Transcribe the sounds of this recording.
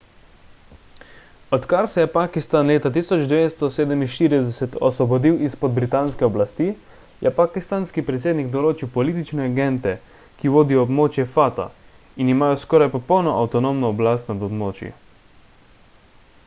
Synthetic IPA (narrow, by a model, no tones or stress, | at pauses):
ɔt̪kaɾsɛjɛpakist̪anleːt̪at̪iːsɔd͡ʒd̪ʋest̪ɔseːd̪ɛminʃt̪iːɾid̪ɛsɛt̪ɔsʋɔbɔd̪iwʔispɔd̪̚bɾit̪aːnskɛɔblast̪i | jʔɛpakist̪anskipɾɛt̪seːd̪niɡd̪ɔloːt͡ʃiwpɔliːt̪it͡ʃnɛaɡɛnt̪ɛ | kiʋoːd̪iɔːbmoːt͡ʃjɛfat̪a̰ | inimaːjɔskɔːɾajpɔpɔwnɔʔawt̪ɔnomnɔːblast̪nad̪ɔbmoːt͡ʃjḭ